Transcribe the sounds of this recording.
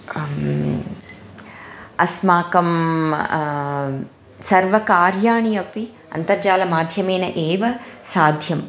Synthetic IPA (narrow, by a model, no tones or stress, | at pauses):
ɐsmaːkɐm | sɐɾʋɐkaːɾjaːɳijɐpi | ɐ̰nt̪ɐɾd͡ʒaːlɐmaːd̪ʱjɐmeːnɐʔeːʋɐsaːd̪ʱjɐm